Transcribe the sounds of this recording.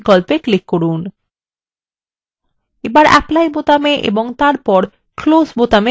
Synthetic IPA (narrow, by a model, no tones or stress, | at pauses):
kɔlpeklikːoɾun | ebaɾɛ̰plajbot̪ameʔḛboŋt̪aɾpɔɾ | klosbot̪ame